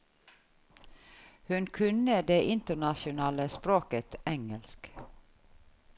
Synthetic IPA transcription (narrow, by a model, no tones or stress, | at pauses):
hʉnkʰʉnəd̪eːʔɪnt̪əɳɑʃʊnɑːləspɾoːkət̪ɛŋəlsk